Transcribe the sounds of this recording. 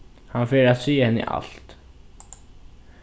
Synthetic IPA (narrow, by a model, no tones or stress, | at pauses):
hanfeːɾat̪siːəhɛnːə̰ʔa̰l̥t̪